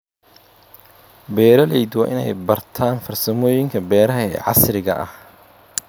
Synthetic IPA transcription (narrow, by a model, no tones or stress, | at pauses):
bɛːɾɐlɛjd̪wɑ̰ːʔɪnɛ̰jbɐrt̪ʰaːnfɐrsɐmɔːjɪŋkʰɐbɛːɾɐɦɐɛ̰ːʕɑsrɪɣɐʔɐ̰h